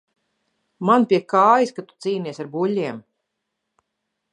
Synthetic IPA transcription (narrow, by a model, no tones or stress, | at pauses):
manpʲiɛkaːjiskat̪u̥t̪siːniɛsaɾbuʎʲːiɛm